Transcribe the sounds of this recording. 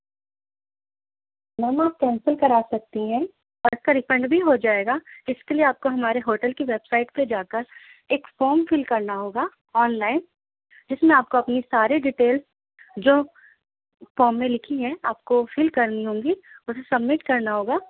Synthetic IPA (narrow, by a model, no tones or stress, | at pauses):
nɐmaːp̚kɛ̃ːnsəlkɐɾaːsɐk̚t̪iɦɛ̃ | ɔːɾɪskaɾɪpɛ̃ɳɖbʱiɦod͡ʒaːeːɡaɪskelieaːp̚koɦɐmaːɾeɦoːʈəlkiʋeːbsaːɪʈped͡ʒaːkəɾ | eːkfoːmfɪlkɐɾnaɦoːɡa | ɔːnlaːɪn | d͡ʒɪsmẽaːp̚koɐpnisaːɾeɖiʈeːls | d͡ʒoː | fɔːmːẽlɪkʰiɦɛ̃aːp̚kofɪlkɐɾniɦõːŋɡiʊsesɐbmɪʈkɐɾnaɦoːɡaː